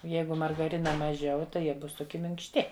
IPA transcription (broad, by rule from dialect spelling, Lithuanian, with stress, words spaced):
oː ˈjɛɪɡʊ mɐrɡɐˈrʲɪnɐ mɐˈʒʲɛʊ tɐɪ ˈjiɛ ˈbʊs toːˈkʲɪ mʲɪŋkʃʲˈtʲɪ